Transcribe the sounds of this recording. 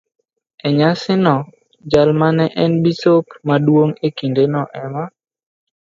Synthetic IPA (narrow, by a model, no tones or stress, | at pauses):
ɛɲasɪnɔ | d͡ʒalmanɛʔɛnbisopmadwoŋekindenɔʔɛma